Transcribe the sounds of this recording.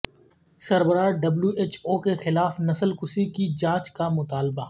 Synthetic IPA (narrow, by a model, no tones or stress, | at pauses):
sɐɾbəɾaːɖɐbljuʔeːt͡ʃoːkexɪlaːfnɐsəlkʊsikid͡ʒaːt͡ʃkamʊt̪aːlbaː